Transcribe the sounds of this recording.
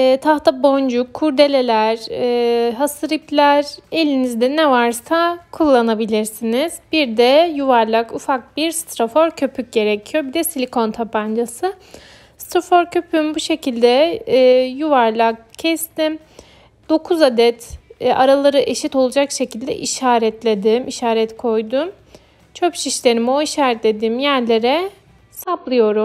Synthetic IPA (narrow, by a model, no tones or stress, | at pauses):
ɛt̪ʰaht̪abo̞nd͡ʒukʰːuɾd̪e̞lʲe̞lʲæɾː | ɦasɯɾiplʲæɾe̞lʲinizd̪ɛnɛvaɾsakʰulˠːanabilʲiɾsiniz̥biɾd̪ɛjuvaɾlˠakufak̚b̥iɾst̪ɾofo̞ɾcʰø̞pʰyc̚ɟe̞ɾecʰijo̞bid̪ɛsilʲikʰo̞nt̪ʰapand͡ʒasɯ | st̪ɾofo̞ɾcʰø̞pʰymbuʃe̞cilʲd̪ɛː | juvaɾlˠak̚cʰːɛst̪im | d̪̥o̞kʰuzad̪ɛt̪ːaɾalˠaɾɯʔe̞ʃit̪o̞lˠud͡ʒakʃe̞cilʲd̪ɛ̰ʔiʃaːɾɛt̪ʰlʲed̪imʔiʃaːɾɛt̪kʰo̞jd̪um | t͡ʃʰøpʃiʃlʲe̞ɾimo̞iʃaːɾɛt̪lʲed̪imjæɾlʲe̞ɾɛ | saplˠɯjo̞ɾum